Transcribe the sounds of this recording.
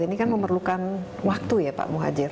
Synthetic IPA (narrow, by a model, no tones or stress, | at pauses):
inikanməmərlukan | wak̚t̪ujapa̰ʔmuɦa̰d͡ʒɪr